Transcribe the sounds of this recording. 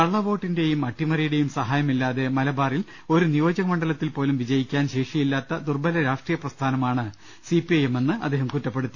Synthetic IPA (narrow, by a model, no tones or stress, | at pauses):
kɐɭːɐʋo̞ːʈːinde̞jumɐʈːimɐɾɐjiɽe̞jumsɐɦaːjɐmilːaːðe̞mɐlɐbaːril | o̞ɾunijo̞ːd͡ʑɐɣɐmɐɳɖɐlɐt̪ːilpo̞ːlumʋid͡ʑɐjikʲːaːnɕeːʂijilːaːt̪ːɐd̪urbɐlɐɾaːʂʈriːjɐprɐst̪ʰaːnɐmaːɳɨ | sipiɐjeme̞nːɨɐ̰d̪ːeːhɐmkutːɐpːe̞ɽut̪ːi